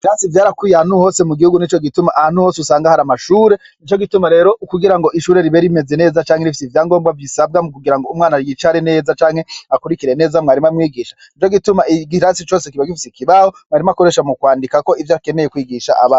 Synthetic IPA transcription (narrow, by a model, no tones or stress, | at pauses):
iɾasivjaːɾakwiːjahanuho̞ːse̞muɡihuɡunit͡ʃo̞ɡitumaʔahanuho̞ːsusaːŋɡahaɾamaʃuːɾe̞ | nit͡ʃo̞ɡitumaɾe̞ːɾo̞ʔukuɡiɾaŋɡo̞ʔiʃuːɾe̞ɾiβeɾime̞ze̞ne̞ːzat͡ʃaːŋeifi̥sivjaːŋɡo̞ːmbɡavisab̚ɡamukuɡiɾaŋɡo̞umŋaːnaɾjit͡ʃaɾine̞ːzat͡ʃaːŋ̥he̞akuɾikiɾe̞ne̞ːzamŋaːɾimamŋiːɡiʃḁnit͡ʃo̞ɡitumaiɡiɾasit͡ʃo̞ːsekiβaɡifisikiβahomŋaːɾimako̞ɾe̞ʃamukwaːndikako̞ivjake̞meje̞kwiːɡiʃa̰ʔaβaːn